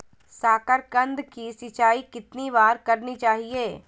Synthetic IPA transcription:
saːkəɾkə̃nd̪kisɪt͡ʃaːikɪt̪niʋaːɾkɐɾnit͡ʃaːɦieː

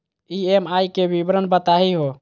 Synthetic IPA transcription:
iemajkebibɾənbət̪aɦiɦo

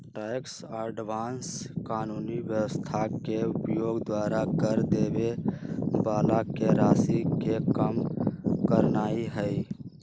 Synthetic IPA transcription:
ʈaɪks | əɖʋanskaːnunibjəwəst̪ʰakeupjoːɡd̪waɾakəɾd̪ebe | balakeɾasikekəmkəɾnaːiɦəj

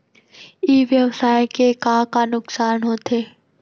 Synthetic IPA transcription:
iːʋjəʋsaːjkekãːkanʊksaːnɦoːt̪ʰeː

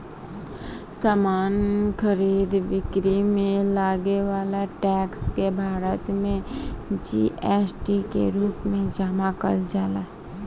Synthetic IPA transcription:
saːmaːnkʰəɾiːd̪ʋɪkɾimẽlaːɡeʋaːlaʈɛːkskebʱaːɾət̪mẽd͡ʒḭʔɛsʈikḛɾuːpmẽd͡ʒaːmakəld͡ʒaːla

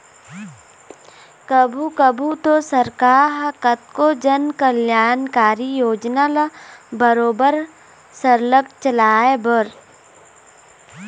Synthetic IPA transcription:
kəbʱukəbʱut̪osəɾkaːɦkət̪̚kod͡ʒənkəljaːnkaːɾijoːd͡ʒnalabəɾoːbəɾ | səɾləɡ̚t͡ʃəlaːebəɾ

